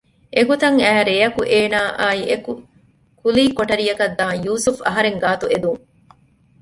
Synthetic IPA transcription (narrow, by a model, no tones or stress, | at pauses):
ʔeɡot̪ɐŋæːɾejɐkuʔeːnaːʔaːiʔeku | kuliːkoʈɐɾijɐkɐd̪ːaːŋjuːsufɐ̰ɦɐɾeŋɡaːt̪ued̪uŋ